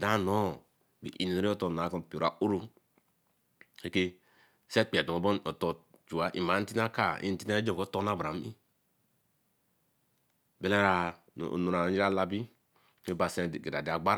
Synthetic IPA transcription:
da˦˨no˦ | bḭ˨ʔḭ˨n˨o˦ɾi˦o˦to˨na˨˦ko˦˨pi˨o˨ɾa˨ʔo˦ɾu˦ | e˦ke˦ | se˦k͡pi˨a˨do˨o˨bo˦no˨to˨t͡ʃu˨a˦ʔḭ˨ma˨˦n̩˦ti˦n˦a˦ka˨ḭ˦n̩˨ti˦na˦d͡ʒo˦˨ko˦to˦na˦ba˨m˦ḭ˦ | be˦la˦ɾa̰˨ | nu˨ɾa˨˦d͡ʒi˦ɾa˦la˦bi˦ | e˦ba˨se˦˨ɡe˨da˨da˨ɡ͡ba˦ɾ

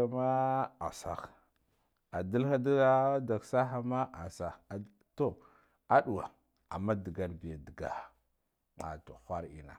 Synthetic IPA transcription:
a˦ma˦a̰˨sa̰˨x | a˨di˦lxa˦da˦a˦da˨ksa˦xa˦ma˦ʔa˨sa˨ | to˦ | a˦ɗu˨wa̰˨ | a̰˨mːa˦di˨ɡa˨ɾbi˨a˨di˨ɡa̰˨ | a̰˨to˨xʷa˦ɾḭ˨na̰˨

